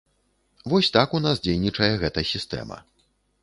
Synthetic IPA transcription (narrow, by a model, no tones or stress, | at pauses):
vɔsʲt̪akunasd͡zʲejnʲit͡ʂɐjɛɣɛt̪ɐsʲist̪ɛ̰mɐ̰